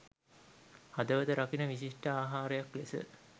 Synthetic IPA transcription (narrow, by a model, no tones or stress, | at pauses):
had̪əʋəd̪əɾakinəʋisiʂʈəaːɦaːɾejaklesə̰